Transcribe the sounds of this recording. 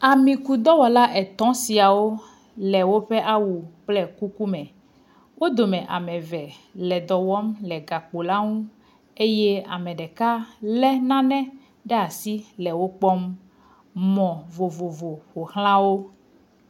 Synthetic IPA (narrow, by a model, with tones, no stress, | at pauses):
a˨mĩ˨ku˨d̪ɔ˦wɔ˨la˦ʔɛ˨t̪ɔ̃˦si˨a˨wo˦ | lɛ˨wo˦ɸɛ˦ʔa˦wu˨k͡plɛ˦ku˦ku˦mɛ̃˨ | wo˦d̪o˨mɛ̃˨ʔa̰˨mɛ̃˨vɛ˨lɛ˨d̪ɔ˨wɔ˦mlɛ˨ɡa˨k͡po˨la˦ŋũ˦ | e˦je˦a̰˨mɛ̃˨ɖɛ˨ka˦lɛ˦nã˦nɛ̃˦ | ɖɛ˦a˨si˦lɛ˨wo˦k͡pɔ˦m | mɔ̃˨vo˨vo˨vo˨ɸo˨hl̃ã˦wo˦